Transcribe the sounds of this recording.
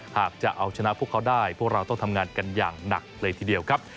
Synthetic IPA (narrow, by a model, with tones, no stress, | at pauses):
haː˨˩k̚t͡ɕa˨˩ʔa˧wt͡ɕʰa˧na˦˥ʔpʰu˥˩əkʰːa˦˥wdaː˥˩jpʰu˥˩k̚ɾa˧wt̪ɔ˥˩ŋt̪ʰmŋaː˧nka˧njaː˨˩ŋna˨˩k̚lɤː˧jt̪ʰiː˨˩di˧əwkʰɾa˦˥p̚